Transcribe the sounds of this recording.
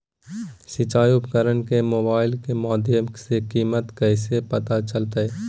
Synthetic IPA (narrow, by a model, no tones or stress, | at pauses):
sɪt͡ʃaːjʊpkəɾənkemoːbaːɪlkemɔːd̪jəmsekiːmət̪kɛɪsepɐt̪at͡ʃəlt̪aeː